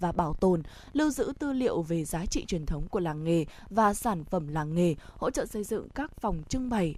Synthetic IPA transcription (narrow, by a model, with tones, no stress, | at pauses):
vaː˨˩ɓaː˧˩wt̪o˨˩n | lɨ˧əwzɨ̰˧˥t̪ɨ˧lḭ˧˨əwve˨˩zaː˨˦t͡ɕḭ˧˨t͡ɕwi˨˩ənt̪ʰə˨˦wŋ͡mku˧˩əlaː˨˩ŋŋe˨˩ | vaː˨˩saː˧˩nfə˧˩mlaː˨˩ŋŋe˨˩ho̰˧˥t͡ɕə̰ː˧˨sə˧jzɨ̰˧˨ŋkaː˦˥k̚fɔ˨˩wŋ͡mt͡ɕɨ˧ŋɓa˨˩j